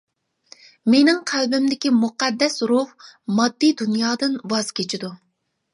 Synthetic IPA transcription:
menɪŋqʰælbɪmd̪ɪkʲimuqæd̪ːɛsɾuhmɑd̪ːid̪unjɑːd̪ɨnbɑz̥kʲʰet͡ʃʰid̪u

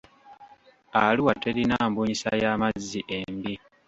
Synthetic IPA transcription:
aluwateɾinaːmbuɲisa̰jaːmazːiʔembi

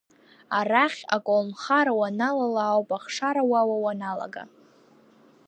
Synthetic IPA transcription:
araχʲa̰kʷʼolnχaɾawanalalaːwpʼaχʂaɾawawawanala̰ɡa̰

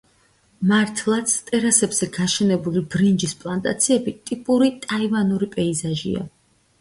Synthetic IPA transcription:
maɾt̪ʰlˠat̪sʰt̪ʼɛɾasɛbz̥ɛɡaʃɛnɛbulibɾind͡ʒispʼlˠant̪ʼa̰t̪sʰiɛbit̪ʼipʼuɾit̪ʼaivanuɾipʼɛizaʒḭa̰

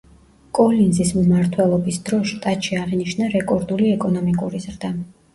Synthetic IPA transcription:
kʼɔlinzismmaɾt̪ʰwɛlˠɔbisd̪ɾɔʃt̪ʼat̪ʃiaʁiniʃnaɾɛkʼɔɾd̪uliɛkʼɔnɔmikʼuɾizɾd̪a

